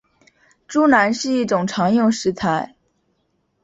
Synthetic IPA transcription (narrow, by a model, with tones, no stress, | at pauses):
ʈ͡ʂu˥na˧˥nʂɻ̩˥˧i˥˩ʈ͡ʂʊ˨˩ŋʈ͡ʂʰɑ˧˥ŋjʊ˥˩ŋʂɻ̩˧˥t͡sʰa˧˥ɪ